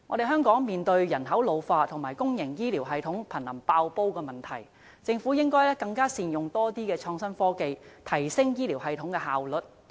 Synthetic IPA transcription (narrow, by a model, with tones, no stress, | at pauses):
ŋɔː˨˧ɾe˨˧ɦœː˥ŋkɔː˨˥ŋmiː˨nt̪ɵ˧ɥjɐ˨˩nɦɐ˨˥wlo˨˧wfaː˧t̪ʰʊ˨˩ŋmaː˨˩jkʊ˥ŋjɪ˨˩ŋjiː˥liː˨˩wɦɐ˨jt̪ʰʊ˨˥ŋpʰɐ˨˩nlɐ˨˩mpaː˧wpo˥wkɛː˧mɐ˨nt̪ʰɐ˨˩j | t͡sɪ˧ŋfuː˨˥jɪ˥ŋkɔː˥jlɛː˥kɐ˧ŋkaː˥siː˧njʊ˨ŋt̪ɔː˥t̪iː˥kɛː˧t͡ʃʰɔː˧ŋsɐ˥nfɔː˥ke˧jt̪ʰɐ˨˩jsɪ˥ŋjiː˥liː˨˩wɦɐ˨˧jt̪ʰʊ˨˥ŋkɛː˧ha̰ː˨wlɵ˨t̚